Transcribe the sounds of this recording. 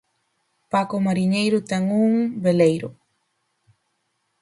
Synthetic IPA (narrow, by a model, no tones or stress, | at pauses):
pakomaɾiɲejɾʊt̪ɛŋuŋbelejɾʊ